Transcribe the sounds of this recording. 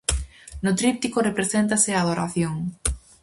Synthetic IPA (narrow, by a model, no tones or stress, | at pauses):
nʊt̪ɾip̚t̪ikʊrepɾesent̪aseaːð̞oɾa̰θjoŋ